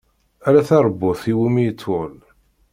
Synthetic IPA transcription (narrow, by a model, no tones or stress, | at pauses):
æɾæθɑɾˤbːʊθiwumijət͡sːʊl